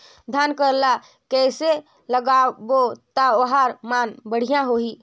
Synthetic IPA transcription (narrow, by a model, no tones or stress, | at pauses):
d̪ʱjaːnkəɾla | kɛːse | ləɡaːbot̪aoɦaɾmaːnbəɽ̤ijãɦoi